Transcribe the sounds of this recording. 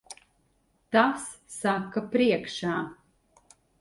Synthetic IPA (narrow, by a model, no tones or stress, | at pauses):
t̪asːakːɐpɾiɛkʃaː